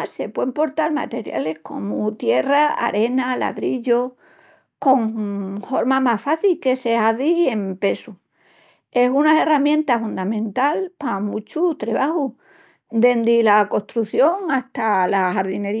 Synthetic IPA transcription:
se̞pwempo̞ɾt̪alma̰t̪e̞ɾja̰le̞hko̞̰mut̪je̞raa̰ɾe̞nala̰ðɾiʎo | ko̞ŋho̞ɾmamasfaθilke̞se̞aðie̞mpe̞su | e̞sunaeramjẽ̞nt̪afund̪amẽ̞nt̪alpamut͡ʃut̪ɾe̞βahu | d̪e̞nd̪ilako̞ht̪ɾuθjo̞ŋaht̪alahaɾðine̞ɾi

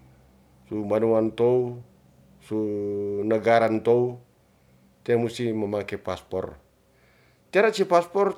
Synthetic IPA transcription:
sumbanuant̪ou | sunəɡaɾant̪ou | t̪iamust̪iməmakɛpaspɔ̰r | t̪iaɾat͡ʃipaspɔr

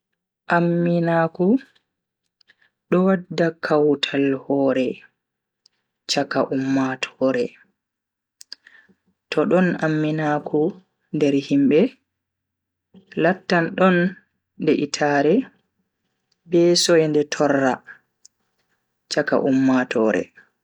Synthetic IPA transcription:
ʔamːinaːku | ɗɔwadːakʰawtʰalhɔːɾɛ | t͡ʃakaʔumːatʰɔɾɛ | tɔɗɔnamːinaːkʰu | ndɛɾhimbɛ | latːanɗɔn | dɛʔitʰaːɾɛ | bɛsɔjɛndɛtʰɔrːa | t͡ʃaka̰ʔumːatʰɔːɾɛ̰

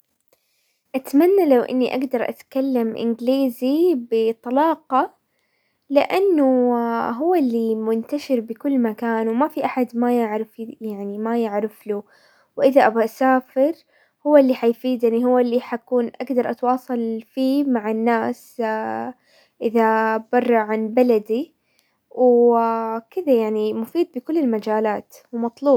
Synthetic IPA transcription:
ʔat̪manːalawʔɪ̰nːiʔaɡd̪ɑɾˤʔa̰t̪kalːamʔɪ̰nɡliːzibɪt̪ˤɑlɑːqɑ | lɪ̰ʔanːʊɦʊwːalːimʊnt̪aʃɪɾbɪkʊlːmakaːnwmafiʔaħad̪majɪʕɾɪfjaʕnimajɪʕɾɪflu | wʔɪðaʔabaʔsaːfɪɾ | hʊwːaɪlːiħajfiːd̪jaʕniɦʊwːalːiħakuːnʔaɡd̪ɑɾˤʔɑt̪wɑːsˤɑlfiːmaʕanːaːs | ʔɪðabɑrˤːɑʕanbalad̪i | w | kɪðajaʕnimʊfiːd̪̚bɪkʊlːɪlmad͡ʒaːlaːt̪ | wmɑt̪ˤluːb

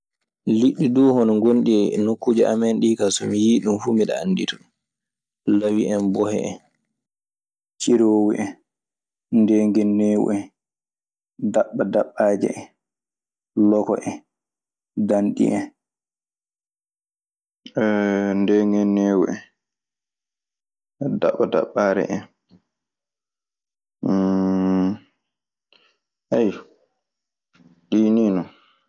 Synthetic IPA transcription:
liɗːiduːhɔnɔŋɡonɗiɛnokːud͡ʒɛʔa̰mɛnɗikasɔmijiːɗumfuːmiɗaa̰nːditɔɗ | lawiʔɛmbɔhɛ̰ɛ̰ | t͡ʃiɾowiʔɛ | ndɛŋɡɛnːɛːw̰ɛ | daɓːadaɓːaːd͡ʒɛ̰ɛ | lɔkɔ̰ʔɛ | danɗḭʔɛn | ɛndɛŋɡɛnːɛːwɛ̰ɛ | da̰ɓːada̰ɓːaɾɛ̰ʔɛn | ʔɛj | ɗiniːnɔ

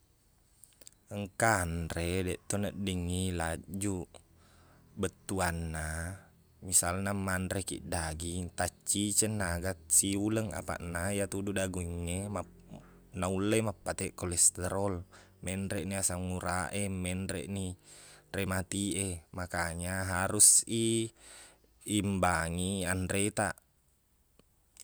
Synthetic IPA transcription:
əŋkanɾedɛʔt̪onəʔdəŋilad͡ʒu | bət̪ːuanːa | misalnamanɾekḭʔdaɡiŋt̪at͡ʃːit͡ʃənːaɡat̪̚siuləŋa̰pa̰ʔnajat̪ududaɡuŋːema | naulːemapːat̪ɛʔkɔlɛst̪ɛɾɔl | mɛnɾɛʔniasaŋuɾaʔemɛndɾḛʔniremat̪iʔemakaɲaɦaɾusi | imbaŋiandɾet̪aʔ

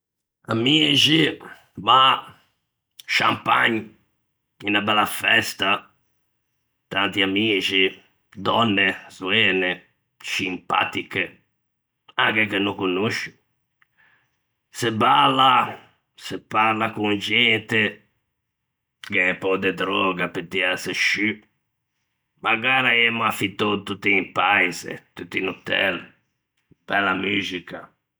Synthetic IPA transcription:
a̰miːt͡ʃi | va | ʃa̰mpaɲ | inabɛlafɛst̪a | t̪ant̪iamiːt͡ʃi | d̪ɔnːesuɛːne | simpa̰t̪ike | akekenːokunoʃu | sebala | sepaɾlakuŋd͡ʒɛnt̪e | keɛpɔd̪ed̪ɾɔɡapet̪ːiaseʃy | maɡaːɾaɛmafit̪ot̪ut̪ːiimpajzḛt̪ut̪ːinut̪ɛ̰l | b̥ɛlamyzika

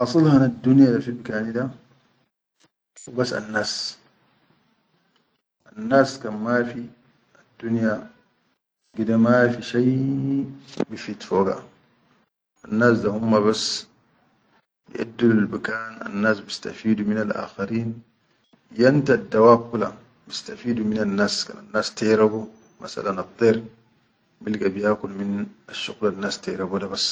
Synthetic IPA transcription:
ʔɑsˤɨlhand̪ːunjadafilmkaːnid̪a | basa̰nːaːs | ʔanːaːskanmafi | ʔad̪ːunja | ɡid̪amafiʃaj | bifit̪foːɡa̰ | ʔanːaːs̬d̪ahumːaβas | bḭʔa̰dːalalbikaːna̰nːaːsbist̪a̰fiːduminalʔa̰ːxaɾiːn | jant̪ad̪ːawaːb̚kula̰ | bist̪afiːd̪uminanːaːska̰nanːaːst̪ajɾabu | ma̰sa̰lanɑt̪ˤːiːɾ | milɡabijaːkulminʔaʃːuɣlanːaːst̪aɾabudabas

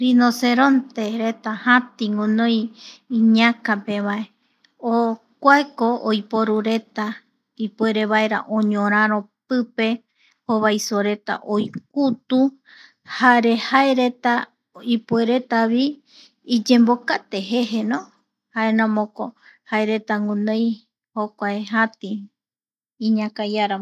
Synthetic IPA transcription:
ɾinoseɾont̪eɾet̪ahãt̪iŋũnõjiɲãkapeβae | o | kʷaekoojpoɾuɾe̞t̪a | ipueɾeβaeɾa̰ʔõɲõɾ̃ãɾõpɨpe̞ | hoβajsoɾe̞t̪a̰ʔojk̚ut̪u | haɾe̞haeɾet̪a | ipueɾe̞t̪aβiː | d͡ʒẽ̞mbo̞kat̪eɦe̞ɦenõ | haenãmõkohaeɾe̞t̪aŋũnẽj | hokʷaeɦãt̪iː | ɲãkajaɾa

